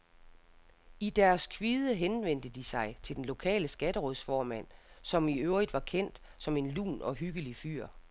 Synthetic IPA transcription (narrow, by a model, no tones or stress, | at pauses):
id̥æɐskʰʋiːðˠəɦenʋen̰d̥əd̥isɑ̈ɪt͡sʰe̝ld̥enlo̝kʰɛ̰ːləsɡ̥æɾ̥əʁɔðˠsfɒːmæn̰sɒ̽miøʊʁid̥ʋɑ̈kʰen̰d̥ | sɒ̽me̝nlṵːnɒ̽ɦyɡ̥əlify̰ːɐ̰